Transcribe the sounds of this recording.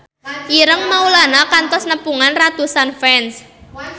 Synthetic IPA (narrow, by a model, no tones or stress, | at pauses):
iɾəŋmaulanakant̪ɔsnəpuŋanrat̪usanfɛns